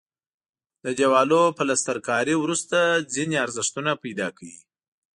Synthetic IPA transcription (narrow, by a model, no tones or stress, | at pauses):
d̪əd͡ʒawɑlopəlast̪aɾkɑɾiwɾust̪ad͡zineaɾzɪʂt̪unapajd̪ɑkʰawi